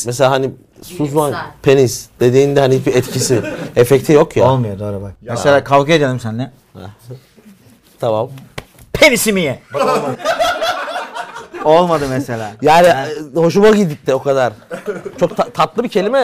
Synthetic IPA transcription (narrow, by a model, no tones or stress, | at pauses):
mɛs̬elaːɦani | suzmanpʰe̞nisd̪̥e̞d̪iːnd̪ɛɦanihit͡ʃbiɛt̪cʰisiɛfɛct̪ʰijo̞kjaolˠmɯjod̪oːɾubak̚ɛselʲaːkʰavkʰɯed̪elimsænːɛ | hɛ̰ | t̪ʰamam | pʰenisimijɛb | o̞lˠmad̪ɯmɛselʲaːjaːniho̞ʃumaɟid̪ip̚t̪ʰːɛo̞kad̪aɾ̥t͡ʃʰo̞k̚t̪ʰat̪ʰat̪lˠɯbicʰe̞lʲimɛ